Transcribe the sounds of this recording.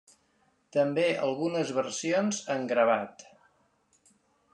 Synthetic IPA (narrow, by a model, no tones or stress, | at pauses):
t̪əmbeʔə̰lˠɣunəzβərsionzəŋɡɾəβ̞at̪